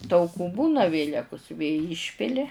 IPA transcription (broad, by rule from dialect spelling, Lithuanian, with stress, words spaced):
tɐʊˈkuː ˈbuːnɐ ˈʋʲeːlʲɛkʊs ʋʲeː ˈiːʃʲpʲɪlʲɪ